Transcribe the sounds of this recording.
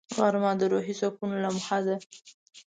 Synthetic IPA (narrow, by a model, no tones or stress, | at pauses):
ɣɑɾmɑd̪əɾoɦizɑkunolamʊxad̪a